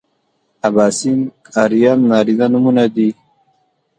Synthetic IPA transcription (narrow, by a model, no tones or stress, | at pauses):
abaːsim | aɾijamnaːɾizanumunad̪i